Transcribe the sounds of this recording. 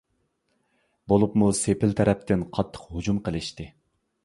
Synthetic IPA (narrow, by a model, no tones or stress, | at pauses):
bolˠupmusepʰɪlt̪ʰɛɾɛp̚t̪ʰɪnqʰɑt̪ʰːə̥qhud͡ʒumqəlˠɨʃt̪ɨ